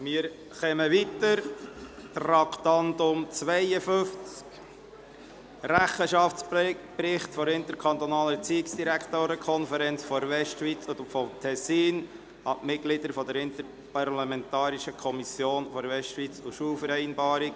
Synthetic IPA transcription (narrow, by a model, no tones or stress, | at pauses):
mɪəɾ | χɛməʋit̪əɾt̪rɑkt̪ɑndʊmt͡sʋɛɪəføft͡sk | ɾæχəʃɑft͡spprɪχtfɔɾɪnt̪əɾkʰɑnt̪ɔnɑːlət͡siɪksd̥̪iɾækʰt̪oːɾəkʰɔnfəɾɛnt͡sfɔɾʋɛʃtʃʋit͡sfɔmt̪ʰɛsːiːn | ɑmɪtɡ̥lɪd̥̪əɾfɔd̪əɾɪnt̪əɾ | pɑrlɑmɛnt̪ɑːɾiʃəkʰɔmisjoːnfɔɾʋɛstʋit͡suʃuːlfəɾɛɪnbɑːɾɪk̚